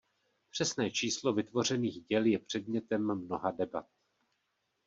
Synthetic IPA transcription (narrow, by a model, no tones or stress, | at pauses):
pr̝̥ɛsnɛːt͡ʃiːslo̞vɪt̪vo̞r̝ɛniːɣɟɛljɛpr̝̥ɛd̚ɲɛt̪ɛmːno̞ɦadɛbat̪̚